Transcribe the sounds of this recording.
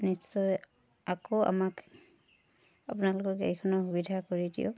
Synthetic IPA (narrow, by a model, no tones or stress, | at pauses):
nisːɔj | akoa̰mak | apʊnalʊkɔɹkḛjkʰɔnɔɦubidʱakoɹidḭʊ̰